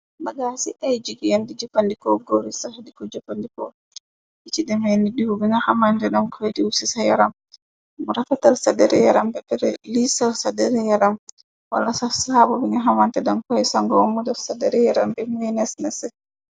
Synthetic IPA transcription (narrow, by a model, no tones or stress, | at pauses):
baɡasiʔajd͡ʒiɡijandid͡ʒɔpːandikɔɡoɾisahadikɔd͡ʒɔfandikɔ̰ | ʔit͡ʃidɛmenidihubiŋahamantɛɗɔnkʰɔɛdiwusisajaɾam | mɔɾafatalsadɛɾɛjaɾambɛbɛɾɛlisasadɛɾɛjaɾam | wa̰lasasabubiŋaɦamantɛdamkɔɛsaŋɡɔwmudɔsadɛɾɛjaɾambɛmɛnɛsnɛsɛ